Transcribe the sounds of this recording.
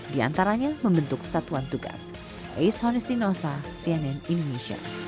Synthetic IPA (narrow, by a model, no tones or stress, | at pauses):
dia̰nt̪aɾaɲaməmbənt̪ʊk̚sat̪uant̪uɡa̰s | ʔejshɔnɛst̪inosasiɛnɛnindoneʃia̰